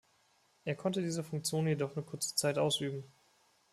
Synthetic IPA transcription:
ʔeːɐkʰɔntədiːzəfʊŋk̚t͡sjoːnjedɔχnuːɐkʰʊɐt͡sə̥t͡saɪtʔaʊsʔyːbm̩

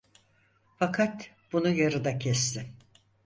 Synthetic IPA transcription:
fakʰat̪ | b̥unujaɾɯd̪acʰɛst̪ʰɪm

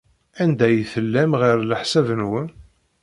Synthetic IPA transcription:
ænd̪æjθəlːæmʁəɾləħsævənwən

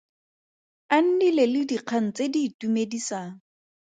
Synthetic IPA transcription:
an̩nilelɪdiq͡χʰan̩t͡sediːtumedisaːŋ̩

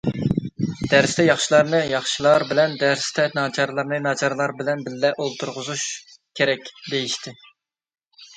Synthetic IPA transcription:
d̪̥æɾst̪ʰɛjɑχʃilˠɑɾnɨjɑχʃilˠɑɾbɪlɛnd̪æɾst̪ʰɛnɑːt͡ʃʰɑɾlˠɑɾnɨnɑt͡ʃʰɑɾɨlˠɑɾbɪlɛnbɪlːɛʔolˠt̪ʰuɾʁʊzuʃ | kʲʰeɾɛkʲd̪ejiʃt̪ʰɪ

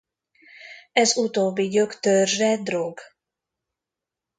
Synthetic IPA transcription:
ɛzut̪oːbːiɟøkt̪ørʒːɛd̪roɡ

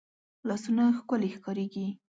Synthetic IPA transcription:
lɑsunaxkʊlexkɑɾeɡi

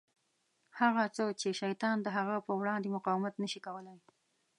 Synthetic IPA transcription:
haɣat͡sot͡ʃeʃajt̪ɑnd̪əɦaɣapəwɽɑnd̪emʊqɑwɪmat̪nəʃikawəlaj

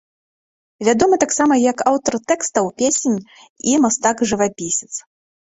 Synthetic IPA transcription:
vʲad̪ɔmɨt̪aksamɐjɐkawt̪ɐrt̪ɛkst̪ɐwpʲesʲenʲ | imast̪aɡʐɨvapʲisʲɛ̥t̪s

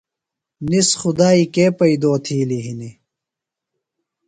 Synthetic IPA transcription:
nisxud̪aːikeːpɐid̪oːt̪ʰiːliɦini

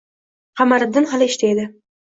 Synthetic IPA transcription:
qʰamaɾɨbd̪ɪnhalˠɪɪʃt̪ʰed̪ɪ

